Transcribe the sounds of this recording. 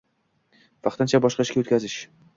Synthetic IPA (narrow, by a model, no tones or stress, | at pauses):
vɑqt̪ɪnt͡ʃʰabɒʃqɑʃkʲaot̪kʲʰazɪʃ